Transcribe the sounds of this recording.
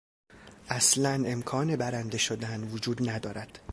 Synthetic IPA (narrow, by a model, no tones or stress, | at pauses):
ʔæslæne̞mkʰɒːne̞bæɾænd̪e̞ʃod̪ænvod͡ʒuːd̪næd̪ɒːɾæd̪̥